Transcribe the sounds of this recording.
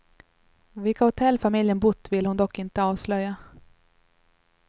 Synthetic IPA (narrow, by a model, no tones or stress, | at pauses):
vɪlkahʊt̪ʰɛlːfamɪljənbʊt̪ːvɪlhʊnd̪ɔkːɪnt̪əɑːvslœjːa